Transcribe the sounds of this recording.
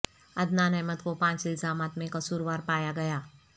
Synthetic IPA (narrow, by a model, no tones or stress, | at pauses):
ɐd̪naːnɛːmət̪kopãːt͡ʃɪlzaːmaːt̪mẽkɐsuːɾʋaːɾpaːjaɡɐjaː